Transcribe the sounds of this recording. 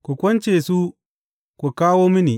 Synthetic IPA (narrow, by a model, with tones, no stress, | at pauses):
kʷu˨kʷɔ˦nt͡ʃeː˨su˦ | kʷu˨kaː˦woː˦mɪ˦ni˨